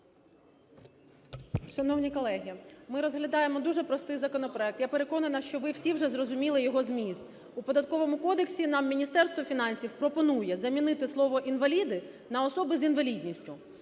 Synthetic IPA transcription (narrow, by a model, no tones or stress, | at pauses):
ʃɐnɔwnʲikɔlˠɛɦʲimɪɾɔzɦlʲɐd̪ɑjemɔd̪uʒɛpɾɔst̪ɪjzɐkɔnɔpɾɔɛk̚t̪japeɾe̞kɔnɐnɐʃt͡ʃɔʋɪwsʲiwʒɛzrɔzʊmʲilˠɪjɔɦɔzmʲist̪ | upɔd̪ɐt̪̚kɔʋɔmʊkɔd̪eksʲinɑmːʲinʲist̪ɛrst̪ʋɔfʲinɑnʲsʲiwpɾɔpɔnujɛzɐmʲinɪt̪ɪslˠɔʋɔʔinʋɐlʲid̪ɪ | nɐɔsɔbɪzinʋɐlʲidʲnʲisʲtʲʊ